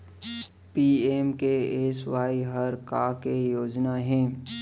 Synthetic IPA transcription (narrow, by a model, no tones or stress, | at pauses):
piːeːmkeeːsʋaːiɦəɾkaːkejoːd͡ʒnaɦɛ̃ː